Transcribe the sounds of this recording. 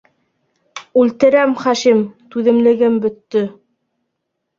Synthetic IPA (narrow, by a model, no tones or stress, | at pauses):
ʉlt̪ɘ̆ɾæmχæʃimt̪ʉðɘ̆mlɘ̆ɡɘmbɵ̆t̪ːɵ